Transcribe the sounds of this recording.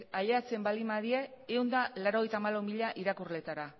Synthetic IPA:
aʎeat͡se̞mbalimaðie̞ewnd̪alaɾo̞ɣ̞e̞jt̪amalawmiʎaʔiɾakurle̞t̪aɾa

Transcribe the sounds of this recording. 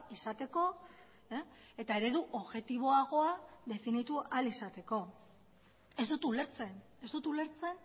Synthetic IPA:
isat̪e̞ko̞ | e̞t̪ae̞ɾe̞ðuʔo̞βɣe̞t̪iβ̞o̞aɣ̞o̞aðe̞finit̪uʔalisat̪e̞ko̞ | e̞zd̪ut̪ule̞ɾt͡se̞n | e̞zd̪ut̪ule̞ɾt͡se̞n

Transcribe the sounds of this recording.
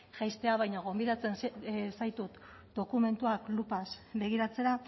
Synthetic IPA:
ʝajst̪e̞aβajɲaɣ̞o̞mbiðat͡sensajt̪ut̪ | d̪o̞kume̞nt̪uaklupasbe̞ɣ̞iɾat͡se̞ɾa

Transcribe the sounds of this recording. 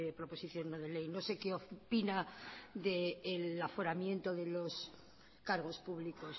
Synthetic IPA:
ðepɾopo̞siθjo̞nːnoðele̞jno̞se̞keopinaðeːlafo̞ɾamjẽ̞nt̪o̞ðe̞lo̞s | kaɾɣ̞o̞spuβlikos

